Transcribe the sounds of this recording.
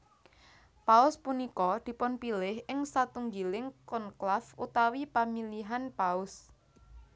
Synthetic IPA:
paʊspunikɔd̪̥i̤pʊnpilɪhɪŋsat̪uŋɡilɪŋkɔnklafut̪awipamiliɦanpaʊs

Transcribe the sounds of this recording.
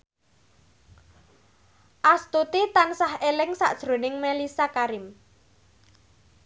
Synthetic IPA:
ʔast̪ut̪it̪ansahelɪŋsa̰ʔd̥ʒ̥ɾo̤nɪŋmelisakaɾɪm

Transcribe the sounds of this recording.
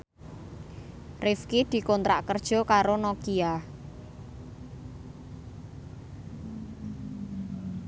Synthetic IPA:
rɪfkid̪̥i̤kɔnt̪ɾa̰ʔkərd̥ʒ̥ɔ̤kaɾonɔkia

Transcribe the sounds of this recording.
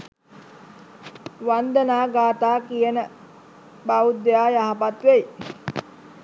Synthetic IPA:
ʋand̪ənaːɡaːt̪aːkijənə | baud̪ːejaːjaɦapat̪ʋej

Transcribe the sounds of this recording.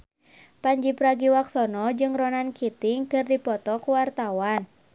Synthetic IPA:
paɲd͡ʒipɾaɡiwaksɔnɔd͡ʒɨŋrɔnankit̪iŋkɨrdipɔt̪ɔkuwart̪awan

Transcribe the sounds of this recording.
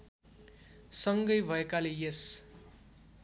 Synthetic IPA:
sʌŋɡʌjbʱʌekalejes

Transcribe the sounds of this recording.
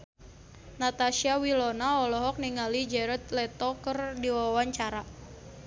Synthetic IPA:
nat̪asiawilɔnaɔlɔɦɔk̚niŋalid͡ʒɛɾɔt̪̚lɛt̪ɔkərdiwawaɲt͡ʃaɾa

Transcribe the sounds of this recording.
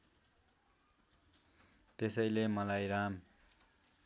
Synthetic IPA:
t̪esʌjlemʌlajɾam

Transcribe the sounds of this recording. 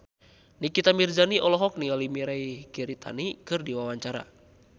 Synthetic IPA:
nikit̪amird͡ʒaniʔɔlɔɦɔk̚niŋalimiɾaikiɾit̪ʰa̰nikɨrdiwawaɲt͡ʃaɾa̰

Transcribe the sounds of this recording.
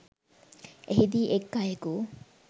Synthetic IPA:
eɦid̪iːʔekːajeku

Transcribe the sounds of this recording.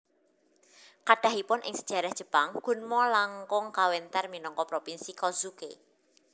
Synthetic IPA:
kaɖ̥a̤hipʊnʔɪ̰ŋsə̥d̥ʒ̥a̤ɾahd̥ʒ̥ə̤paŋɡ̥ṳnmɔlaŋkʊŋkawɛnt̪ɛrminɔŋkɔpɾopinsikɔzuke

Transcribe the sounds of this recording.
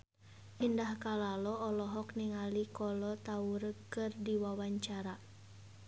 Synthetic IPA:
ʔindahkalalɔɔlɔɦɔkniŋalikɔlɔt̪auɾkɨrdiwawaɲt͡ʃaɾa

